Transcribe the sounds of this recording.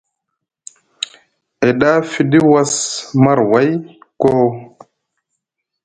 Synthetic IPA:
e˨ɗa˦fi˨ɗi˦wa˦sma˦ɾwa˦jko˦

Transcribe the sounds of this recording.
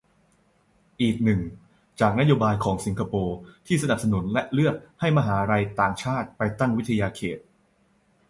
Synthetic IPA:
ʔiː˨˩k̚nɯ˨˩ŋ | t͡ɕaː˨˩k̚na˦˥joː˧baː˧jkʰɔː˩˦ŋsi˨˩˦ŋkʰa˧poː˧t̪ʰiː˥˩sa˧na˨p̚sa˧nu˨˩˦nlɛ˦ʔlɯ˥˩ət̪̚ha˥˩jma˧ɦaː˩˦ɾa˧jt̪aː˨˩ŋt͡ɕʰaː˥˩t̪̚pa˧jt̪a˥˩ŋwi˦˥t̪ʰːa˧jaː˧kʰḛː˨˩t̪̚

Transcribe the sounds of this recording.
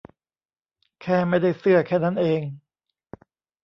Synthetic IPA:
kʰɛː˥˩ma˥˩jda˥˩jsɯ˥˩ɐkʰɛː˥˩na˦˥nʔeː˧ŋ

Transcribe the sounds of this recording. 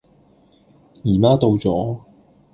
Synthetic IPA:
jiː˨˩maː˥t̪o˧wt͡sɔː˨˥

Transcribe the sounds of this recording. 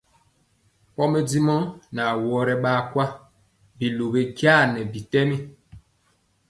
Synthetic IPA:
pɔ˦mɛ˦di˦mɔ˦na˨wɔ˦ɾɛ˦ɓaː˦kwa˦ | bi˨lo˨be˨ɡja˦˨nɛ˨bi˨tɛ˦mi˦

